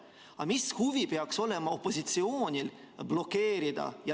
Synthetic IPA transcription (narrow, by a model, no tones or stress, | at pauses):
ɑmishuvipe̞ɑkso̞le̞mɑo̞pːo̞sit̪sioːnʲil | b̥lo̞kːe̞ːɾid̪̥ɑ̰jɑ